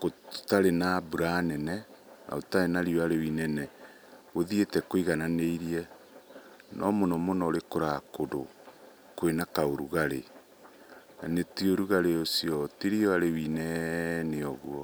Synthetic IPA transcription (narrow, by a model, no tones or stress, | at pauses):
kotaɾenabuɾanɛnɛna̰otaɾenaɾiɔaɾewinɛnɛ | oðietɛkoiɣananeiɾiɛ | nɔmonɔmonɔɾekoɾakodo | kwenakaoɾuɣaɾe | nanetioɾuɣaɾeosjɔtiɾiɔaɾewinɛneɔɣwɔ